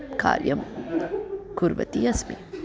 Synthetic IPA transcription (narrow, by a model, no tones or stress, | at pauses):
ka̰ːɾjɐm | kuɾʋɐ̰t̪iɐsmi